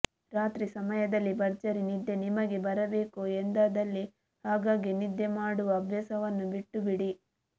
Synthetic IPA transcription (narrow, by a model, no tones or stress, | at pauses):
ɾaːt̪ɾisɐmɐjɐd̪ɐlːibɐɾd͡ʒɐɾinid̪ːe̞nimɐɡe̞bɐɾɐbe̞ːkuend̪aːd̪ɐlːi | haːɡaːɡinid̪ːemaːɽuʋɐːbʱjɐsɐʋɐnːubiʈːubiɽi